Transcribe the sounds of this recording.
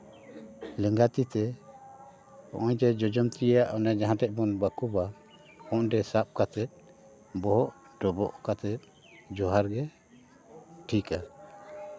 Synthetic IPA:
lɛŋɡat̪it̪ɛ | ɔ̰ʔɔ̃jd͡ʒ̪ɛd͡ʒɔd͡ʒɔmt̪iaʔɔnɛd͡ʒaɦãtɛc̚ˀbɔnbakuba | ɔʔɖɛsap̚kat̪ɛt̪̚ | bɔɦɔʔ | ɖɔbɔʔkat̪ɛt̪̚ | d͡ʒɔɦaɾɡɛ | ʈʰika

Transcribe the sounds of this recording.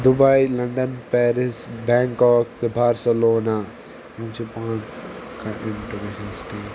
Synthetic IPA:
d̪ʊbajlɐ̃ɳɖənpɛːɾɪsbɛ̃ːŋkɔːkt̪bʱaːɾsəloːna | ũːt͡ʃepãːnskaʔɪ̃nʈuʋɛʃənsʈeːʈ

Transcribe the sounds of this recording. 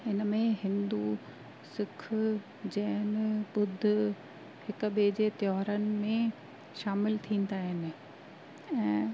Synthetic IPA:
ɪnəmẽɦɪ̃nd̪u | sɪkʰʊ | d͡ʑɐɦnɪɓʊd̪ʱ | hɪkʊ̆ɓeːd͡ʑet̪jɔːɦɾənɪ̆mẽ | ʃaːmɪlt̪ʰĩːn̆d̪aːɦɪnɪ̆ | ɛ̃ː

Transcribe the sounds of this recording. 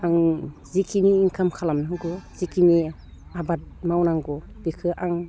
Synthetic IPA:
aŋzikʰiniːŋkʰamkʰalamnaŋɡɔz̥ikʰini | abat̚mawnaŋɡɔ | b̥ikʰɯʔaŋ

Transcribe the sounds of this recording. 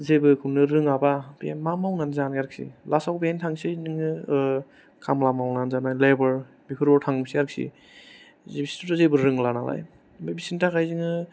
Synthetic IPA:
zebɯkʰɯnɯɾɯŋababimamawnanzanjaɾk̚sḭlasawbentʰaŋsinɯŋɯ | kʰamlamawnanzanajlebɯɾ | bikʰɯɾbɔɾtʰaŋsiaɾksḭ | zibistutazebɯɾɯŋlanala̰j | bebisiŋtʰakajziŋɯ

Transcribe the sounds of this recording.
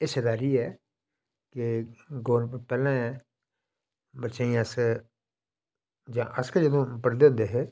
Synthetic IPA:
ɪsɪd̪aːɾiːɛː | keɡoːɾpɛːlãː | bəʃaːĩəs | d͡ʒãːʔəskəd͡ʒəd̪õːpəɽd̪eʊ̃ːnd̪eːɦɛː

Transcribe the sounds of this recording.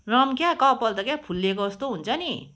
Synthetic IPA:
rʌmkjakʌpʌlt̪ʌkjapʰulːekoʌst̪oɦunt͡sʰʌni

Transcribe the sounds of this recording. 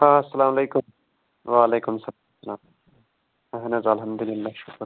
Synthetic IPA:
haɐsːɐlaːmɐleːkʊm | ʋaɐleːkʊmsɐ | sɐlaːm | aɦɐnɐzɐlɦɐmd̪ʊlɪlːaːʃʊkɾ

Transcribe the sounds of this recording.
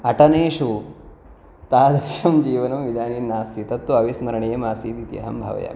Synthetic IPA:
ɐʈɐneːʃu | t̪aːd̪ɾiʃɐmd͡ʒiːʋɐnɐmʋid̪ʱaːniːnːaːst̪ʰit̪ɐt̪ːuɐʋismɐɾɐɳijɐmaːsiːd̪it̪jɐ̰ɦɐ̰mbʱɐ̰ʋɐ̰ja̰ː

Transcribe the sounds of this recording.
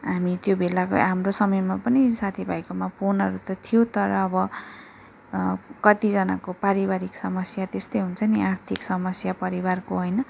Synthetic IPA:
ɦamit̪jobelako̰amrosʌmʌjmapʌnisat̪ʰibʱajkomapʰonʌɾut̪ʌt̪ʰijot̪ʌɾʌːbʌ | kʌt̪id͡zʌna̰kopaɾibaɾiksʌmʌsjat̪est̪ʌjɦunt͡sʰʌniʔart̪ʰiksʌmʌsjapʌɾibarkoɦʌjnʌ

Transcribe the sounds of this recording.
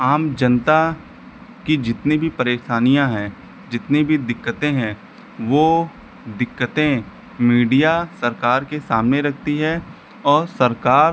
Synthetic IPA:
aːmd͡ʒɐnt̪a | kid͡ʒɪt̪nibʱipɐɾeːʃaːnijãɦɛ̃ː | d͡ʒɪt̪nibʱid̪ɪkːət̪ẽɦɛ̃ | ʋo | d̪ɪkːət̪ẽ | miːɖijasɐɾkaːɾkesaːmneɾɐk̚ʰt̪iɦɛ | ɔːɾsɐɾkaːɾ

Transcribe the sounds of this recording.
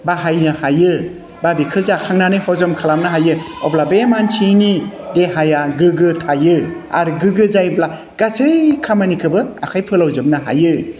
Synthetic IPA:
baɦajnɯhajɯ | babikʰɯzakʰaŋnanɯhɔzɔmkʰalamnaɦajɯɔblabemant͡ʃʰinideɦajaɡɯɡɯtʰajɯa̰ɾɡɯɡɯzajbla | ɡ̥asɯjkʰamanikʰɯbɯa̰kʰajpʰɯlawzɯmnaɦa̰jɯ

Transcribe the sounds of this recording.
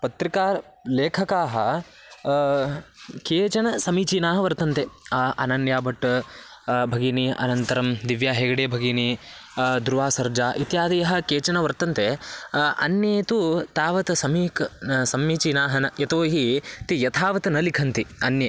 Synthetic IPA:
pɐt̪ɾikaːɾ | leːkʰɐkaːɦɐ | keːt͡ʃɐnɐsɐmiːt͡ʃiːnaːɦɐʋɐɾt̪ɐnt̪eʔɐnɐnjaːbɐʈː | bʱɐɡiniʔɐ̰nɐnt̪ɐɾɐmd̪iʋjaːɦeːɡɐɽeːbʱɐɡiːni | d̪ɾuʋaːsɐɾd͡ʒaːʔit̪jaːd̪ijɐɦɐ̆keːt͡ʃɐnɐʋɐɾt̪ɐnt̪eʔɐ̰njɐt̪ut̪aːʋɐt̪ɐsɐmiːksɐmiːt͡ʃiːnaːɦɐnɐɐt̪oːɦit̪ijɐt̪ʰaːʋɐt̪ɐnɐlikʰɐnt̪iɐnjɐ

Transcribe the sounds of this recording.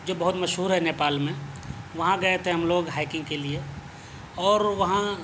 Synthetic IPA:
d͡ʒoːbɐɦʊt̪mɐʃɦuːɾɦɛneːpaːlmẽʋɐɦãɡɐet̪ʰeɦɐmloːɡɦaːɪkɪ̃ŋɡkelie | ɔːɾʋɐɦã

